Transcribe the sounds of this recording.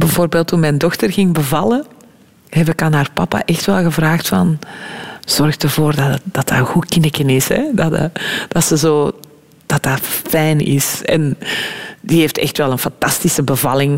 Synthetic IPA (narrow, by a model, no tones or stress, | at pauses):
bəvoːrbeːlˠtːunmɛjndɔxtərɣɪŋbəvɑlˠə | ɦɛpɪkaːnɦaːrpɑpa̰ʔɛxtʋɛlˠɣəvraːxtfɑ̰n | z̥ɔrɣdəvoːrdɑd̥ɑta̰ːɣukɪnəkənɪshɛ̰dɑtd̥ɑtsəzoː | d̥ɑtafɛjnɪ̰sɛ̰n | diɦeːftɛ̰xtʋɛlˠənfɑntɑstisəbəvɑlɪŋ